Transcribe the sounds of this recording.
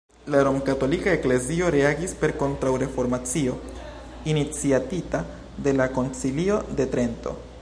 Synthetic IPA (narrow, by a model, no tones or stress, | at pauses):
laɾo̞mkato̞likae̞kle̞zio̞ɾe̞aɡispe̞ɾko̞ntɾawɾe̞fo̞ɾmat͡sio̞ | init͡siatita | de̞lako̞nt͡silio̞de̞tɾe̞nto̞̰